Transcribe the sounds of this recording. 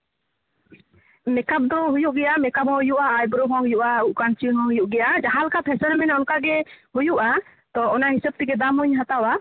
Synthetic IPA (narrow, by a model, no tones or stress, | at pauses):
mɛkap̚d̪ɔɦujuʔɡɛʔamɛkap̚hɔ̃ɦujuʔaːjbɾɔɦɔ̃ɦujuʔauʔkant͡ʃiɦɔ̃ɦujuʔɡɛjʔad͡ʒaɦalkat̪hɛsɔɾmɛnɛɔnkaɡɛhujuʔa | t̪ɔɔnaɦisəb̚t̪ikɛd̪amuɲɦat̪awa